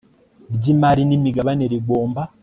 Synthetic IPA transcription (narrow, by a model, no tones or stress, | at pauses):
bɟimaɾinimiɡaβaneɾiɡo̞ːmba